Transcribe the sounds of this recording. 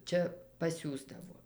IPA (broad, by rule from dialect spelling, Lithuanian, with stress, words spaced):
ˈt͡ʃʲɛ pɐˈsʲuːzdɐʋoː